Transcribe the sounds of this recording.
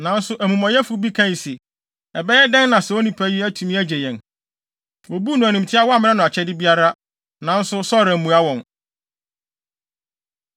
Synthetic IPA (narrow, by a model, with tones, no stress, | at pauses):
nã˨n̩˦sʊ˦ʔæ˨mũ˨mã˨jɛ˦fʊ˦bi˦kʰã˦˨se˨ | ɛ˨bɛ˦jɛ˦dɛ̃˦n˦nã˨sɛ˨wo˦nĩ˦pʰæ˦ji˦æ˦tʰũ˨mĩ˦æ˦d͡ʑɛ˨jɛ̃˨n | wo˨bu˦nʊ̃˨æ˨nĩ˨m˨tʰɪ˦a˦wɔ˦a˦˨mɪ̃˦ɛ̃˦nʊ̃˨a˨t͡ɕʰɛ˦dɪ˦bi˦a˦ɾa˦ | nã˨n̩˦sʊ˦sɔ˦˨ɾã˨mũ˨a˦wɔ̃˨n